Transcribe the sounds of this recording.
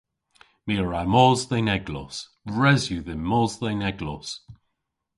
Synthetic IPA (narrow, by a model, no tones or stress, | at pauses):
miəɹamɔːzðɛnɛɡlɔ̰s | bɹɛzjuðɪmɔzðɛnɛɡlɔs